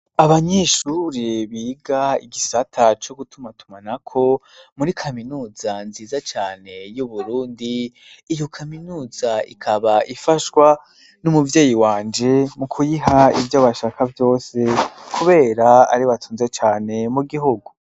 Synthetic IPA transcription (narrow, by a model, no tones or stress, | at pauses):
aβaɲeːʃuːɾiβiːɡaḭɡisatʰat͡ʃo̞ɡutumatʰumanakʰo̞muɾikʰaminuːzanziːzat͡ʃaːne̞juβuɾuːndiː | jo̞kʰaminuːzaḭkʰaβaʔifaʃwa | numuvjeːjiwaːnd͡ʒe̞mukʰujiɦaivjoβaʃakʰavjo̞ːse̞kʰuβe̞ːɾaa̰ɾiβatʰuːnzet͡ʃaːne̞muɡiɦuɡu